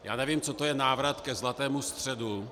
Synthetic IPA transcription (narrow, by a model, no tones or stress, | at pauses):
ja̰ːnɛvimt͡sot̪ojɛnaːvɾat̪kɛzlat̪ɛːmust̪r̝̥ɛdu